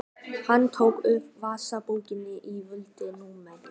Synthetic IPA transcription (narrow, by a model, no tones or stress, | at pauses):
hanːt̪ʰoːwkʏvvaːsapuːwcɪnːɪʔivʏlt̪ɪnuːmɛn